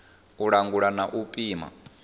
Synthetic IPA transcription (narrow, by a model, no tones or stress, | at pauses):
uɺaŋɡuɺanaʔupʼiːma̰